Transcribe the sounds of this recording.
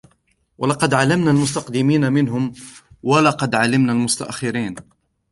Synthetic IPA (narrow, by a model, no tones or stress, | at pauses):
walɑqɑd̪ʕalamnaːlmʊst̪ɑqd̪ɪmiːnamɪnɦʊm | walɑqɑd̪ʕalɪmnaːlmʊst̪a̰ʔxːɪɾiːn